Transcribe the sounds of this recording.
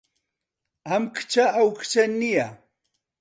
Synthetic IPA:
amkt͡ʃaːwkt͡ʃanɪja

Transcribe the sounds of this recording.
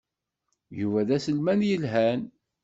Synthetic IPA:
juvæðæsəlmænjəlɦæn

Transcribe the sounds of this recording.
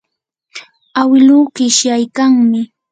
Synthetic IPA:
awɪluːkɪʃjajkaŋmɪ

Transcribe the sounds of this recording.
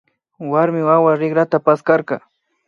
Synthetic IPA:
waɾmɪwawaɾɪɡɾat̪apaskaɾkɑ

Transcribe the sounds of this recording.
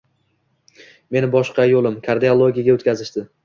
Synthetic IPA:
me̞nɪbɒʃqɑjolɪmkʰaɾd̪eolˠoɡʲijaɡʲaot̪kʰʲazɪʃd̪ɪ

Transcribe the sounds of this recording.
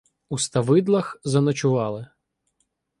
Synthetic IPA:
ust̪ɐʋɪd̪lˠɐxzɐnɔt͡ʃʊʋɑlˠɪ

